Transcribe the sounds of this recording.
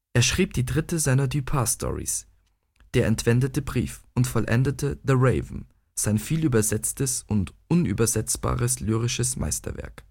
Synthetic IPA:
ʔeːɐʃʁ̥iːp̚d̥iːdʁɪtəzaɪnɐdypʰaːstʰɔ̰ʁḭs | d̥eːɐʔɛntv̥ɛndətəbʁḭːfʔʊntfɔlʔɛ̰ndətʰəðəʁeɪvm̩ | z̥aɪnfiːlyːbɐzɛt͡stəsʊntʔʊnʔy̰ːbɐzɛt͡sb̥a̰ːʁəslyːʁɪʃəsmʔa̰ɪstɐ̰vɛ̰ɐk

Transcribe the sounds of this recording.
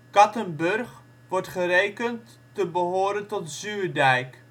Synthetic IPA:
kɑtənbɵrχ | ʋɔrtχərejkəntː | əbəɦoːɾəntɔtzyːrdɛjk

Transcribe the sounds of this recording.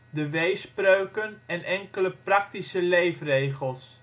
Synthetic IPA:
dəʋejsprøɥkənɛnʔɛŋkələprɑk̚tisəlejfrejχəlˠs

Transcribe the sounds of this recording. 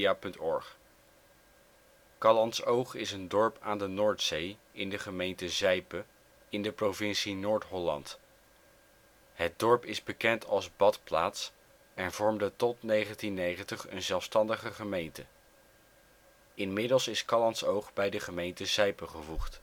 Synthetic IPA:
aːpɵntɔ̰ɹχ | kɑlɑnsowχɪsəndɔɹpaːndənoːɹtsej | ɪndəχəmejntəzɛjpə | ɪndəprowvɪnsinoːɹtɦɔlɑ̰nt | ɦət̚dɔɹpɪzbəkɛntʰɑlˠzbɑtpla̰ːts | ɛnv̥ɔɹmdətɔtnejχəntinːejχəntəχə̰nzɛlˠfstɑndəχəχəmejntə | ɪnmɪdəlˠsɪskɑlɑntsowχbɛjdəχəmejntəzɛjpəχəvuχt

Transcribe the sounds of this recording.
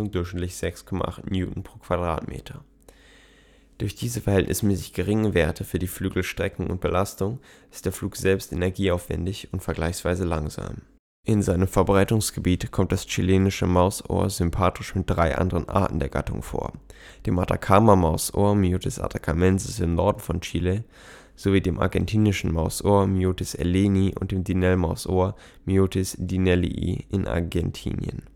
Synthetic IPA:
ʊŋdʊɐçʃnɪtlɪçz̥ɛkskʰɔma̰ʔa̰χtmjṵːtn̩pʁ̥oːkv̥adʁa̰ːtmḛːtʰɐ | d̥ʊɐçd̥iːzəfɛɐhɛltnʔɪ̰smɛːsɪ̥çɡ̥əʁɪŋəveːɐtʰəfyːɐdiːflyːɡl̩ʃtʁ̥ɛkŋ̩ʊ̰nt̚b̥əlastʊŋʔɪst̚d̥eːɐfluːkz̥ɛlpstʔenɛɐɡiːaʊfv̥ɛ̰ndɪçʊntfɛɐɡlaɪçsv̥aɪzəlaŋza̰ːm | ʔɪnzaɪnəmfɛɐbʁaɪtʊŋsɡ̥əbiːtkʰɔmt̚d̥ast͡ʃileːnɪʃəmaʊso̰ːɐzʏmpʰaːtʰɪʃmɪt̚d̥ʁaɪʔa̰ndəʁənʔa̰ɐtn̩deːɐɡ̥a̰tʊ̰ŋfo̰ːɐd̥eːmʔatʰa̰kʰaːmamaʊsʔo̰ːɐmiotɪsʔa̰tʰakʰamɛnzɪsɪmnɔɐdn̩fɔnt͡ʃiːle | z̥oviːdeːmʔa̰ɐɡɛntʰiːnɪʃn̩maʊsʔoːɐmjoːtɪsɛ̰leːniʔʊ̰nt̚d̥eːmdinɛlmaʊsʔoːɐ | miotɪsd̥inɛlḭʔḭːɪnʔa̰ɐɡɛntʰḭːnjə̰n

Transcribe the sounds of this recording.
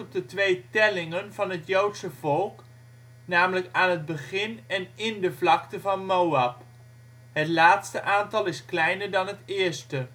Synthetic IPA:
p̚dətʋejtɛlɪŋənvɑnɦətjowtsəvɔlˠk | naːmələkaːnɦəd̚bəχɪnɛnɪndəvlɑktəvɑnmowɑp | ɦətlaːtstəʔaːntɑlˠɪsklɛjnəɹdɑnɦətɪːɹstə

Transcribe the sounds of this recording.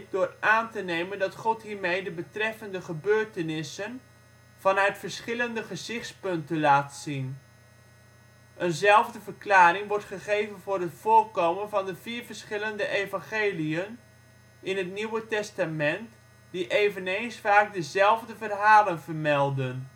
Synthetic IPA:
k̚dʊːraːntənejməndɑtχɔtɦiːɹmejdəbətrɛfəndəχəbøːɹtənɪsən | v̥ɑnœɥtfəɹsχɪləndəχəzɪχtspɵntənlaːtsin | ʔənzɛlˠvdəvəɹklaːɾɪŋʋɔɹtχəχejvənvʊːrɦətfʊːrkowmənvɑndəviːɹvəɹsχɪləndəʔejvɑ̃ŋχeːliən | ɪnɦətniwətɛstamɛnt | diʔejvənejnsfaːk̚dəzɛlˠvdəvərɦaːlənvərmɛlˠdən

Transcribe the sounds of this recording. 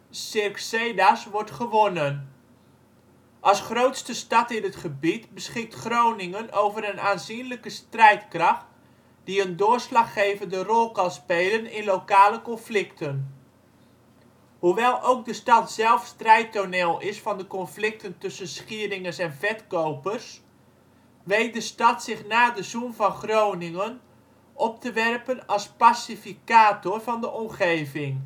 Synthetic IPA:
sɪrksejdasʋɔɹtχəʋonən | ʔɑsχrowtstəstɑtɪnətχəbitbəsχɪk̚tχrownɪŋənowvəɾənaːnzinləkəstrɛjtkrɑχt | d̥iəndʊːɹslɑχːejvəndərɔlˠkɑnspejlənɪnlowkaːləkɔnflɪktʰən | huʋɛlˠʔowk̚dəstɑtzɛlˠfstrɛjtoneːlˠɪsfɑndəkɔnflɪk̚təntʏsənsχiəɾɪŋənsɛnvɛtkowpərs | ʋejt̚dəstɑtsɪχnaːdəzunvɑnχrownɪŋən | ʔɔp̚təʋɛrpənɑlˠspasifikaːtorvɑndəʔɔmχejvɪŋ

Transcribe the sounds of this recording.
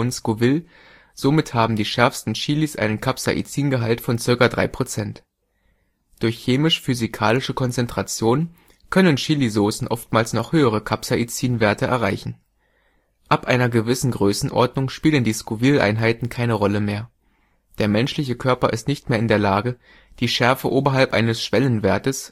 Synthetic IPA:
ʊnskuvɪl | z̥omɪthaːbm̩diːʃɛɐfstn̩ʃiːlisʔa̰ɪnənkʰapsa̰ʔḭt͡siːnɡəɦaltfɔnt͡sɪɐkadʁa̰ɪpʁ̥ot͡sɛnt | d̥ʊɐçːeːmɪʃfyzikʰaːlɪʃəkʰɔnt͡sɛntʁ̥at͡sjoːn | kʰœnənʃiːlizoːsn̩ʔɔftmaːlsnɔχhøːəʁ̞əkʰapsaʔit͡siːnveːɐtəʔɛ̰ɐʁaɪçn̩ | ʔapʔaɪnɐɡəvɪsn̩ɡʁøːsn̩ʔɔ̰ɐdnʊŋʃpiːləndiːskuviːlʔa̰ɪnɦaɪtn̩kʰaɪnəʁɔləmeːɐ | d̥eːɐmɛnʃlɪçəkʰœɐpɐʔɪ̰stnɪçt̚meːɐɪndeːɐlaːɡə | d̥iːʃɛɐfəʔoːbɐɦalpʔa̰ɪnəsʃv̥ɛlənveːɐtəs

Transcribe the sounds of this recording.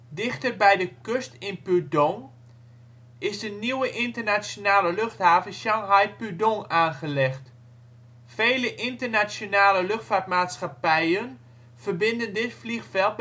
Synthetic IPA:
dɪxtərbɛjdəkøstɪnpydɔŋ | ɪsdəniwəʔɪntərnat͡sjonaːləløxthaːvənsjɑŋɦajpydɔŋaːnχəlɛxt | feːləʔɪntərnasjonaːləløxtfart̚maːtsxapɛjən | v̥ərbɪndəndɪtflixfɛlˠt̚

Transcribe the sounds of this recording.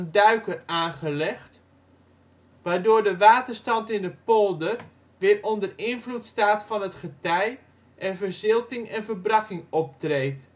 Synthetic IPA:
ndœɥkəraːnχəlɛχt | ʋaːɹdʊːɹdəʋaːtərstɑntɪndəpolˠdər | ʋɪːrɔndərɪnvlutstaːtfɑnɦətχətɛj | ʔɛnvərzɪlˠtɪŋɛnvəbrɑkɪŋɔp̚treːt

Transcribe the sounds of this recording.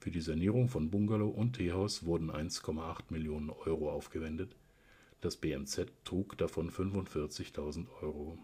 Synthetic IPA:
fyːɐdiːzaniːʁʊŋfɔnbʊŋɡaloʔʊntʰːeːɦaʊsv̥ʊɐdn̩ʔa̰ɪnskʰɔmaʔaχtmɪljoːnənʔɔʏʁoʔaʊfɡ̥əvɛndət | d̥asb̥eːɛmt͡sɛtʰːʁ̥uːkd̥afɔnfʏnvʊntfɪɐt͡sɪçtʰaʊzn̩tʔɔʏʁo

